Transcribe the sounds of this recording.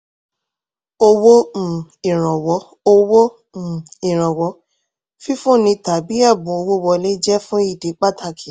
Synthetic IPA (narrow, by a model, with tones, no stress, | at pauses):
o˧wõ˦˨ĩ˨ɾ̃ɔ̃˨wɔ˨˦ | o˧wõ˦˨ | i˨ɾ̃ɔ̃˨wɔ˨˦ | fi˦fũ˦˨nĩ˧ta˨bi˨˦ɛ˦˨bũ˨˦o˧wo˦wɔ˧le˦d͡ʒɛ˦fũ˦i˦˨de˨˦k͡pa˦tʰa˧kʰi˨